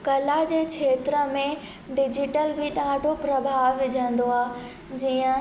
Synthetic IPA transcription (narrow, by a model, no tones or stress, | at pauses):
kɐlad͡ʑeːkʰeːt̪ɾəmẽ | ɖɪd͡ʑɪʈəlbɪɗaːɖʱopɾɐbʱaːʋʋɪd͡ʑʱə̃nd̪oaː | d͡ʑiːə̃